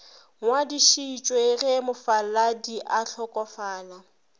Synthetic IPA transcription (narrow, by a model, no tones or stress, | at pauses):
ŋwadiʃiːt͡ʃʼwerɪmʊfaladiʔaɬʰɔkʼɔfaːna